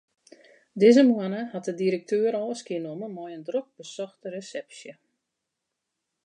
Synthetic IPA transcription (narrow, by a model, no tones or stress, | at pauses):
dɪzəmwanəhat̚ədiɾək̚tʰøːəɾɔːəskiənoməmɔjəndrok̚bəsɔxtəresɛpsjə